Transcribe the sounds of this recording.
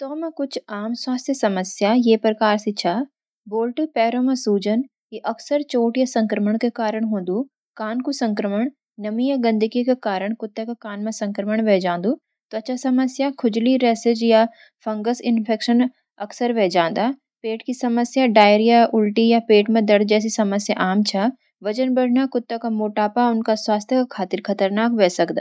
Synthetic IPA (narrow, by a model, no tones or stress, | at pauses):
t̪oːmẽkʊt͡ʃʰaːmswaːst̪ʰjəsɐməsjajeːpɾɐkaːɾsit͡ʃʰaː | boːlʈpɛːɾõmẽsuːd͡ʒən | kiʔɐksəɾt͡ʃoːʈjasɐ̃ŋkɾəməɽ̃kekaːɾəɽ̃ɦõːnd̪u | kaːnkusɐ̃ŋkɾəməɽ̃ | nɐmijaɡɐ̃nd̪ikikekaːɾəɽ̃kʊt̪ːekekaːnmẽsɐ̃ŋkɾəməɽ̃ʋeːd͡ʒãːn̆d̪u | t̪oɐt͡ʃʰasɐməsjakʰʊd͡ʒliɾɛːsɪd͡ʒja | fʰɐ̃ŋɡəsɪnpʰeːkʃən | ɐksəɾʋɛːd͡ʒãːnd̪aː | peːʈkisɐməsjaɖaːjɾijaʔʊlʈijapeːʈmẽd̪ɐɽd͡ʒɛːs̬isɐməsjaʔaːmt͡ʃʰa | ʋɐt͡ʃənbɐɽ̤ʱnakʊt̪ːakamoːʈaːpaʊnkaswaːst̪ʰjəkakʰaːt̪ɪɾkʰɐt̪əɾnaːkʋɛːsɐkd̪a̰ː